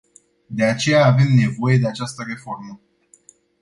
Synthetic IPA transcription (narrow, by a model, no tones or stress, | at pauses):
d̪e̞at͡ʃe̞jaːve̞mne̞vo̞je̞d̪e̞at͡ʃast̪əre̞fo̞rmə